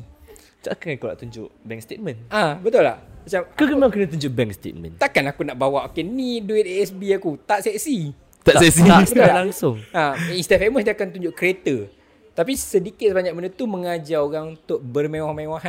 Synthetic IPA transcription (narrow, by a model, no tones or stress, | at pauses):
t͡ʃa̰kankana̰ʔt̪uɲd͡ʒʊʔbɛŋst̪et̪̚mə̃nabət̪ʊla̰hmat͡ʃamkəkəmakənət̪̬uɲd͡ʒʊʔbɛŋkst̪ḛt̪̚mə̰̃nt̪akanakunaʔbawaʔokeniduɪt̪eɛsbiakut̪aʔ̪sɛʔsi | t̪aʔsɛksibət̪ullalaŋsʊŋaĩst̪afeməsdiakant̪uɲd͡ʒʊʔkɾet̪ə | t̪apisədikɪt̪̚səbaɲak̚mənət̪umə̃ŋad͡ʒaoɣaŋunt̪ʊʔ̚bərmẽwahmẽwaɦan